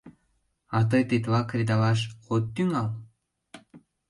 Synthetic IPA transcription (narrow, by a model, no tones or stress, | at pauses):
ɑt̪̬ɤjt̪it̪vɑkrʲid̪ɑlɑʃ̬χot̪ːyŋɑlˠ